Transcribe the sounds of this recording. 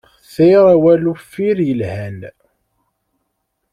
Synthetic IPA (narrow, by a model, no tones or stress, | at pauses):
θiɾˤæwælufiɾjəlhæn